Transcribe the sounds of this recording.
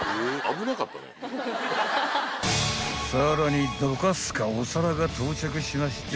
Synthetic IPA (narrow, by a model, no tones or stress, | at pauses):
eamɯnakapːa̰na̰ | saɾoɲid̪okasɨ̥kaosaɾaɡat̪ʰoːt͡ɕak̬ɯ̟ɕimaɕi̥t͡ɕ